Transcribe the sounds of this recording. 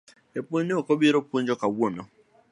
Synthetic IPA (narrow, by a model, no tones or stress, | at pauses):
epuɲniokɔbiɾopuɲd͡ʒɔkawomɔ̰